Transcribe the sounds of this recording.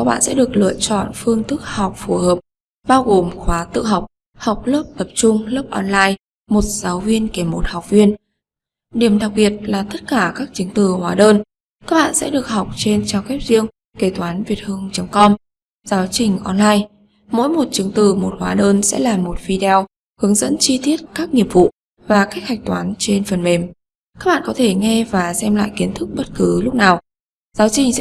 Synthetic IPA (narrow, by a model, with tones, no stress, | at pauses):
ka˦˥k̚ɓa̰ː˧˨nsɛ̰˧˥ɗɨ˨˩ək̚lɨ̰˧˨ət͡ɕɔ̰˧˨nfɨ˧əŋt̪ɨ˦˥k̚ha˨˩wk͡p̚fu˧˩həː˨˩p̚ | ɓaː˧wɣo˨˩mxwaː˨˦t̪ɨ̰˧˨ɦa˨˩wk͡p̚ | ha˨˩wk͡p̚ləː˦˥p̚t̪ə˨˩p̚t͡ɕʊ˧ŋ͡mləː˦˥p̚ʔɔ˧nlaː˧j | mo˨˩t̚z̥aː˨˦wvi˧ənke˧˩mo˨˩t̚ha˨˩wk͡p̚vi˧ən | ɗi˧˩əmɗa˨˩k̚ɓi˨˩ət̚laː˨˩t̪ə˦˥t̚kaː˧˩kaː˦˥k̚t͡ɕɨ˨˦əŋt̪ɨ˨˩hwaː˨˦ɗəː˧n | kaː˦˥k̚ɓa̰ː˧˨nsɛ̰˧˥ɗɨ˨˩ək̚ɦa˨˩wk͡p̚t͡ɕe˧nt͡ɕaː˧wkɛ˦˥p̚zi˧əŋ | ke˧˩t̪waː˨˦nvi˨˩ət̚hɨ˧əŋt͡ɕə˨˦ŋ͡mkɔ˧m | zaː˨˦wt͡ɕï˨˩ŋ̟ʔɔ˧nlaː˧j | mo̰˧˥jmo˨˩t̚t͡ɕɨ˨˦ŋt̪ɨ˨˩mo˨˩t̚hwaː˨˦ɗəː˧nsɛ̰˧˥laː˨˩mo˨˩t̚fi˧ɗw | hɨ˨˦əŋzə̰˧˥nt͡ɕi˧t̪i˦˥ət̚kaː˦˥k̚ni˨˩əp̚vṵ˧˨ | vaː˨˩ka˦˥k̚ha˨˩jk̚t̪waː˨˦nt͡ɕe˧nfə˨˩nme˨˩m | kaː˦˥k̚ɓa̰ː˧˨kɔ˨˦t̪ʰe˧˩ŋɛ˧vaː˨˩sɛ˧mla̰ː˧˨jki˨˦ənt̪ʰɨ˦˥k̚ɓə˦˥t̚kɨ˨˦lʊ˦˥k͡p̚naː˨˩w | zaː˨˦wt͡ɕï˨˩ŋ̟sɛ̰˧˥